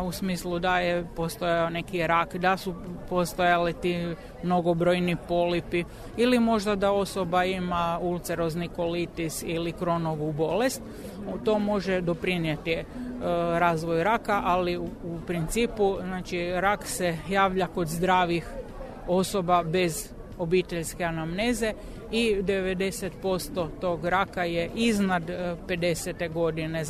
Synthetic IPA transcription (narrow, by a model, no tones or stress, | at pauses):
usmiːslˠud̪ajepo̞st̪ojaone̞kiɾakd̪asupo̞st̪ojalit̪iː | mno̞ɡo̞bɾo̞jnipo̞lipi | ilimo̞ʒd̪ad̪ao̞so̞baimault̪seɾo̞zniko̞lit̪isilikɾo̞noʋubo̞lest̪ | t̪o̞ːmo̞ʒed̪o̞pɾinjet̪i | ɾaːzʋo̞jɾakaʔaliupɾint̪siːpuznaːt͡ʃiɾaksejaːʋʎako̞d̪zd̪ɾaːʋix | o̞so̞babe̞z | o̞bit̪eʎske̞anamneːze̞ | id̪eʋed̪e̞set̪po̞st̪o̞t̪o̞ːɡɾakajeʔiznad̪pe̞d̪e̞set̪eɡo̞d̪ine